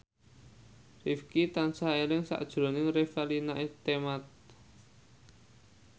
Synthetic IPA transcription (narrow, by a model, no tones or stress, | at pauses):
rifkit̪ansaelɪŋsa̰ʔd̥ʒ̥ɾo̤nɪŋrefalinaʔet̪emat̪̚